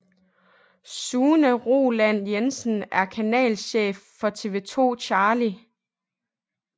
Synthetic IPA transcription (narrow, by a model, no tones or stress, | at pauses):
suːnəʁo̝læn̰jensn̩æɐkʰænɛ̰ːlɕḛːfːɒ̽t͡sʰe̝ːʋe̝t͡sʰo̝̰ːɕʰɑ̈ːli